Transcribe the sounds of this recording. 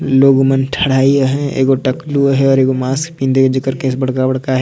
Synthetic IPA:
loːɡmənʈʰɐɽ̤aːiəɦɛ̃ḛːɡoʈɐkluəɦɛɔːɾeːɡomaːskpĩːnd̪ed͡ʒɪkəɾkesbɐɽ̤kabɐɽ̤kaɦɛ

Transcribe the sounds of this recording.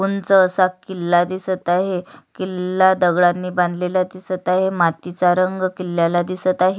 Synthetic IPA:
unt͡səːsakilːad̪isət̪aɦekilːad̪əɡɭanːiːbãnd̪ʱlelad̪isət̪aɦemat̪it͡saɾəŋɡkilːjalad̪isət̪aɦe

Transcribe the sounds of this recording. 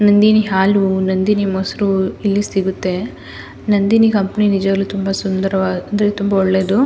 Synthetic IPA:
nɐnd̪iniɦaːlunɐnd̪inimoːsɐɾuilːisiɡut̪ːe̞ | nɐnd̪inikɐmpɐninid͡ʒɐɡɐlːut̪umbɐsund̪ɐɾɐʋaɐnd̪ɾet̪umbɐɔɭːe̞ːd̪u

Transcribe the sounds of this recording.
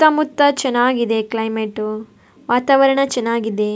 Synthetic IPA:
t̪ːɐmut̪ːɐt͡ʃɐnːaːɡid̪e̞klɐjmeʈːu | ʋaːt̪aːʋɐɾɐɳɐt͡ʃɐnːaːɡid̪e

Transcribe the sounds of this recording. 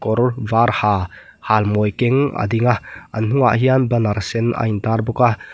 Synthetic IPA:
kɔɾvaːɾhaː | halmɔjkɛŋa̰d̪iŋaɐ̰nn̥uŋa̰ʔɦianbɐnaɾsɛnʔa̰jnt̪aːrbɔka

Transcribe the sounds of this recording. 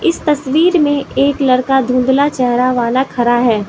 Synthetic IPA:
ɪst̪ɐswiːɾmẽʔeːklɐɾkad̪ʱũːnd̪lat͡ʃɛɦɾaʋaːnakʰɐɾaɦɛː

